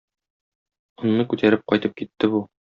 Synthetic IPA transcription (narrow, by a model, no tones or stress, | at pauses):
ŏnːɤkʉt̪æɾɘp̚qɒjt̪ɤp̚kit̪ːɘbu